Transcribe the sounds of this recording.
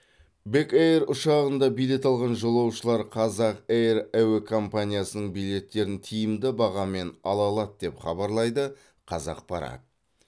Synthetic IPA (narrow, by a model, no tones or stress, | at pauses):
bekejeɾʊʃɑʁənd̪ɑbijle̞t̪ɑlˠʁɑnʒolˠɑwʃəlˠɑɾqʰɑzɑqejɾæwekʰo̞mpanʲijasənəɴbijle̞t̪ːe̞ɾɪnt̪ʰijɪmd̪ɪbɑʁɑme̞nɑlˠɑlˠɑt̪̚d̪e̞pχɑbɑɾlˠɑjd̪ə | qʰɑzɑ̰q̚pɑɾɑ̰t̪̚